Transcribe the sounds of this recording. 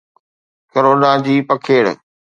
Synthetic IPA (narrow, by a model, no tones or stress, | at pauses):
koɾoːnad͡ʑiːpɐkʰeːɽ̰